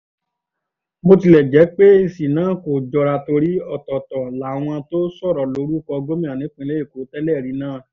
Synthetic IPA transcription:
mo˧ti˧lɛ˨d͡ʒɛ˨˦k͡pe˦e˧˨si˨nãː˨˦˨ko˨d͡ʒɔ˧ɾa˧to˧ɾi˦ɔ˦˨tɔ˨tɔ˨la˨w̃ɔ̃˧to˦sɔ˦˨ɾɔ˨lo˨˦ɾu˦kɔ˧ɡo˦mĩ˦˨a˨nĩ˨˦k͡pĩ˧le˦e˦˨ko˨˦tɛ˦lɛ˦˨ɾi˨˦nãː˦˨

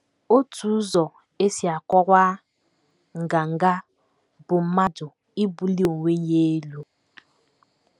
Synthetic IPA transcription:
o˦tu˨˦zɔ˨ | e˦si˨a˨kɔ˦kʷa˦ | ŋ̩˨ɡa˨ŋ̩˨ɡa˦ | bʊ˨m̩˦ma˦dʊ˨ | i˦bu˨li˦o˨wʷe˦ɲ˦je˦lu˦

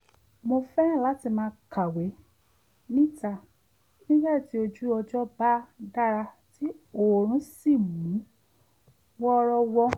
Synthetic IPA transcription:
mo˧fɛ̃˦˨la˨˦ti˧˨mãː˧ka˨we˨˦ | nĩ˦ta˦˨ | nĩ˦bɛ˦˨ti˨˦o˧d͡ʒu˦ɔ˧d͡ʒɔ˦ba˦da˦ɾa˧ | ti˦o˨ɾ̃ũ˦si˦˨mũ˨˦ | wɔ˦˧ɾɔ˧wɔ˧

